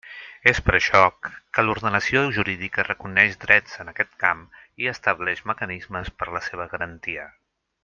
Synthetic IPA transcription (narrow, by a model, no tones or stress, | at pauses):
espəɾəʃɔkːəluɾðənəsioʒuɾiðikərəkunɛʃd̪ɾɛd͡zənəkɛt̪kamiəst̪əβlɛʃməkənizməspəɾləseβ̞əɣəɾənt̪iə